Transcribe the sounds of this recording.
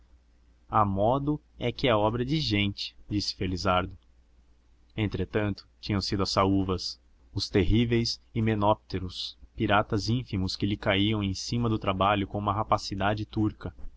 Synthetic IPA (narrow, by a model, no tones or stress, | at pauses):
ɐmɔd̪ʊ | ɛkɪɛɐɔbɾɐd͡ʒɪʒẽnt͡ʃɪ̥d͡ʒisɪ̥felizaɾd̪ʊ | ẽnt̪ɾet̪ɐ̃nt̪ʊ̥t͡ʃĩɲɐ̃w̃sid̪ʊɐsauvɐs | ʊst̪eɦivejsɪmenɔp̚t̪eɾʊspiɾat̪ɐzĩfimʊskɪlɪkaiɐ̃w̃ẽj̃sĩmɐd̪ʊt̪ɾabaʎʊkõũmɐɦapasid̪ad͡ʒɪt̪uɾkɐ